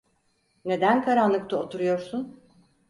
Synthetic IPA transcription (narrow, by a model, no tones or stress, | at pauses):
ne̞d̪ænkʰaɾanlˠɯkt̪ʰaot̪ʰuɾujo̞ɾsun